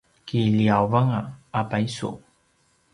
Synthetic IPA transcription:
kiliawvaŋaapajsṵ

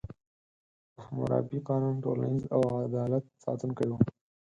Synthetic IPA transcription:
ahmʊ̰ɾɑ̰biqɑnunʈola̰niza̰waɣad̪ɑlat̪̚sɑ̰t̪ənkəɽiwu

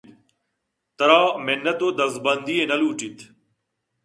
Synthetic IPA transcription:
t̪əɾaːmenːət̪oːd̪əzbənd̪iːẽːnɐluːt͡ʃit̪ʰ

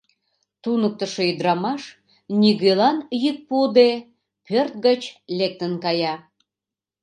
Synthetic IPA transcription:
t̪unək̚t̪əʃeid̪ɾɑmɑʃ | nʲiɣelɑnjyt̪̚pud̪e | pørt̪̚ɡət͡ɕlek̚t̪ənkɑjɑ

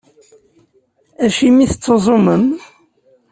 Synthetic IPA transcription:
æʃimiθət͡sːəzˤoməm

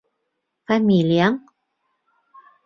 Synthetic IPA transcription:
familiaŋ

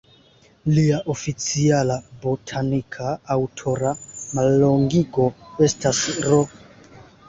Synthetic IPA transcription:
liaʔofit͡sialabotʰanikʰaːwtʰo̞ɾamalːoŋɡiɡo̞estasɾo

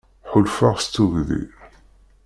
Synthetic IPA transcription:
ħʊlfaʁst͡s̪ːuʝðḭ

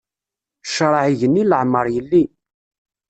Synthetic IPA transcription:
ʃɾˤɑʕiʝənːiləʕmːəɾˤjəlːi

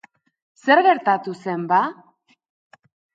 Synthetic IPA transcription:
se̞ɾɣe̞ɾt̪at̪use̞mba

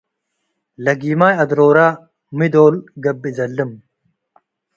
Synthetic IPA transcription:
lɐɡiːmaːjɐd̪ɾoːɾaː | mid̪oːlɡɐbːizɐlːɨm

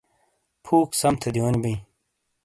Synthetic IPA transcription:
pʰuːksɐmt̪ʰɐd̪ionbĩː

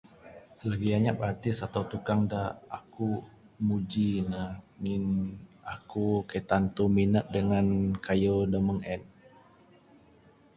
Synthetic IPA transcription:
laɡiaɲapart̪ɪsat̪awt̪ukaŋdaaku | mud͡ʒinaŋinakukət̪ant̪uminək̚dəŋankʰajodəməŋɛn

